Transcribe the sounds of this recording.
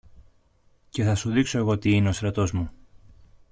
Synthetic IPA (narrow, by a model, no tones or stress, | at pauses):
ce̞θɐsuðikso̞e̞ɣo̞t̪iineo̞st̪ɾɐt̪o̞zmu